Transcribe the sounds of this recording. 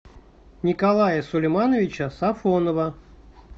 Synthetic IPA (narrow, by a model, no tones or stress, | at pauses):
nʲɪkalˠajəsʊlʲɪjmanəvʲɪt͡ɕəsafonəvə